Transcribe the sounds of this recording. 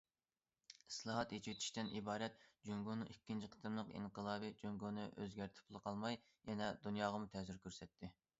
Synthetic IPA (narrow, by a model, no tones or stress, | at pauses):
islˠɑɦɑt̪jet͡ʃʰit̪ʰi̥ʃt̪ɛnʔibɑːɾɛt̪̚d͡ʒyŋɡonɨŋikʲːint͡ʃʰiqʰə̥t̪ɨmlˠəqḭɴqəlˠɑːbɨd͡ʒøŋɡonɨʔøzɡʲæɾt̪ʰɪ̥pʰʊlˠqʰɑlˠmɑj | jɛnɛd̪unjɑːʁɑmut̪ʰɛzyɾkʲʰøɾsɛt̪ʰːɪ